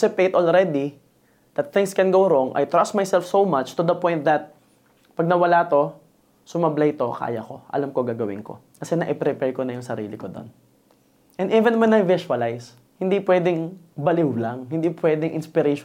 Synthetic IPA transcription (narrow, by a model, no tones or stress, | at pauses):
sɪpet̪ʔolɹɛd̪i | d̪̥ɐt̪̚θɪ̃ŋskɛ̃nɡowɾoŋʔa̰jt̪ɹast̪̚majsɛlfsowmat͡ʃt̪ʊd̪ɐpɔjnt̪̚d̪ɐt̪̚ | pɐɡ̚nɐwɐlat̪o̞ | sʊmablɐjt̪o̞ka̰ːjɐko̞̰ʔɐ̰lamkoɡaːɡɐwɪ̰nko̰ | kɐsɛnɐʔɛpɾɛpɛɹkonɐjʊŋsɐɾḭːlɪkod̪o̰n | ʔɛ̃nivɛ̃nwɛnɐjvɪʃʊɐlajs | hɪnd̪ipwɛːd̪ɪŋbɐlɪwlaŋhɪnd̪ipwɛd̪ɪŋʔɪ̰nspɪɾeʃ